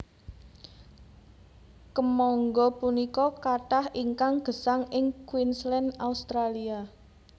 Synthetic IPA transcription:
kəmɔŋɡɔpunikɔkaʈahiŋkaŋɡ̥ə̤saŋɪŋkwinslɛnaust̪ɾalia

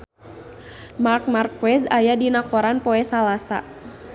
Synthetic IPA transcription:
mark̚markwɛsajadinakɔɾanpɔɛsalasa̰

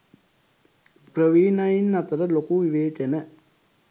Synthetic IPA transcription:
pɾəʋiːnɐjinːɐt̪ɐɾɐlokuʋiʋeːt̪enɐ

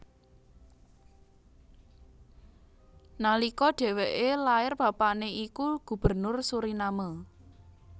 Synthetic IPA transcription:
nalikɔɖ̥ɛ̤weʔelaɪrb̥a̤paʔneʔikuɡ̥ṳb̥ə̤rnʊrsuɾinamə

